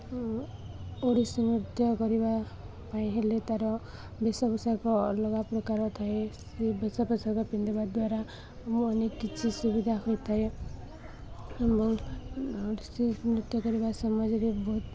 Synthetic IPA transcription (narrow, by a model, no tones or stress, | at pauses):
oɾisimɾut̪jɔkɔɾiba | paĩɦelet̪aɾɔ | besɔpɔsakɔlɔɡapɾɔkaɾɔt̪ʰaesebesɔpɔsakɔpind̪ibad̪waɾa | muːnekːit͡ʃʰisubid̪ʱaɦojt̪ʰae | ebɔŋ | oɾisimɾut̪jɔkɔɾibasɔmɔd͡ʒɔɾebɔɦut̪